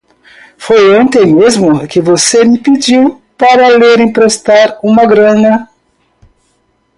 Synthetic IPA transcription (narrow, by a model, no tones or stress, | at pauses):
fojõnt̪ẽj̃mezmʊkɪvosemɪpid͡ʒiw | paɾɐleɾẽj̃pɾest̪aɾũmɐɡɾɐ̃nɐ